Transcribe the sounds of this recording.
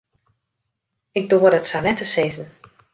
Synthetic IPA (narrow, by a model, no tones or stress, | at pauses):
ɪk̚doəɾətsalɛtəseːzn̩